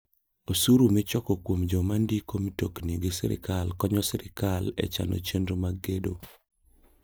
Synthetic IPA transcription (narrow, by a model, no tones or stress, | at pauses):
osuɾumɪt͡ʃɔkɔkwomd͡ʒɔmandikomitokniɡɪsɛ̰ɾɪ̰kalkɔɲɔsɛɾɪkalɛ̰t͡ʃa̰no̰t͡ʃendomaɡedo̰